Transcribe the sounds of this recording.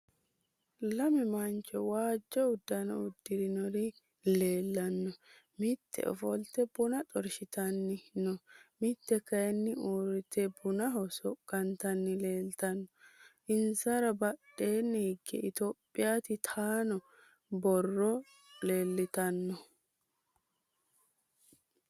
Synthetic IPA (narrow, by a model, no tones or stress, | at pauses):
lɐmɪmɐnt͡ʃʼːɔwaːd͡ʒːɔʊd̪ːɐnɔ̰ʊd̪ːɪɾɪnɔɾɪ | le̞ːlːɐnːɔ | mɪt̪ʰːɛ̰ʔɔ̰fɔlt̪ɛbʊnɐt̪ʼɔɾʃɪt̪ɐnːɪnɔmɪt̪ːɛkɐjɛnːɪuːɾɪt̪ɛbʊnɐɦɔsɔkʼːɐnt̪ɐnːɪle̞ːlt̪ɐnːɔʔɪnsɐɾɐbɐɗːe̞ːnːɪhɪɡːɛ̰ɪt̪oːpʼːɪjaːt̪ɪt̪ʰaːnɔ | bɔrːɔ | le̞ːlːɪt̪ɐnːɔ